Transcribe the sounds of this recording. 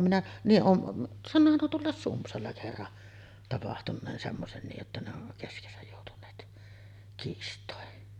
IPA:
minæ niːʔ ʔoːm m sɑnːoːhɑn nuo tuolːɑˑes sumpsɑlːɑ kerːɑn tɑpɑhtunˑeːn semːosen niːʔ ʔetːæ ne on keskesæj joˑutunˑeːt kiːstˑoˑen

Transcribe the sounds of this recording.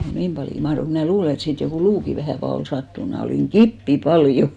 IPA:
niːm pɑljo mɑhrok mnæˑ luːle et siːt jokuˑ luːki ʋæhæˑ fɑl ol sɑtːun mnæˑ oliˑŋ ɡ̊ipːi pɑljo

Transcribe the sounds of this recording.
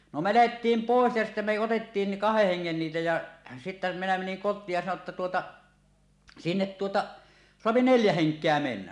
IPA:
no me læhetːiːm poˑes jɑ sitːæ me otetːiːn ni kɑheh heŋːen niːtæ jɑ sitːæ minæ meniŋ kotˑiːj jɑ sɑno tːɑ tuotɑ sinːet tuotɑ soɑpi neljæ heŋkˑeæ menːæ

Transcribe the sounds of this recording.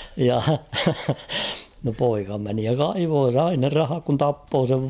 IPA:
jɑ no poikɑ meni jɑ kɑiʋoː sɑi ne rɑhɑk kun tɑpːoː seʋ

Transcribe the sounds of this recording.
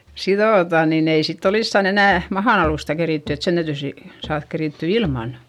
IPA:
siðoˑtɑˑ niːn ei sitː oliskɑn enæˑ mɑhɑn ɑluˑstɑ keriˑtːy et sen tæytyˑ si sɑːðk keriˑtːy ilmɑˑn

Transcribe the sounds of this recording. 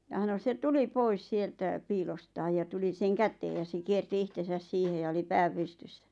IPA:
jɑ h̆ɑno se tuli pois sieltæ piːlostɑːj jɑ tuli seŋ kæteː jɑ se kierti ihtesæs siːhe jɑ oli pæː pystysːæ

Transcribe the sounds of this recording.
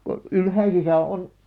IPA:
ko ylhæisisæ on

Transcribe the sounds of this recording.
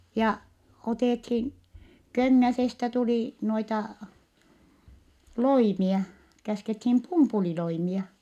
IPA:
jɑ oteˑthin køŋːæsestæ tuliˑ noitɑ loimiɑ kæskethim pumpuliloimiɑ

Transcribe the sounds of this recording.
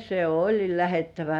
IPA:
se olʲi læhetːæʋæ

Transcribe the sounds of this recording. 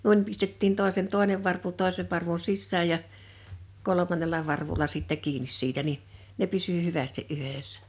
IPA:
nuin pistetːiːn toˑesen toˑeneʋ ʋɑrpu toˑeseʋ ʋɑrʋun̞ sisːæːj jɑ kolomɑnːelɑ ʋɑrʋulɑ sitːɛ kiːnis siːtæ ni ne pysy hyʋæsti ʔyheˑsːæ̥

